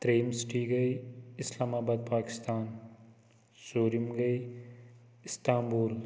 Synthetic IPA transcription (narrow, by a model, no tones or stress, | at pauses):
t̪ɾeːmsʈʰiɡɐiɪslaːmaːbaːd̪̚paːkɪ̥st̪aːn | soːɾimɡɐi | ɪst̪aːmbuːɾ